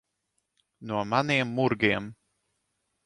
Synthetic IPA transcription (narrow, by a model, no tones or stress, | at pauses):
nuɔmaniɛmːuɾɡiɛm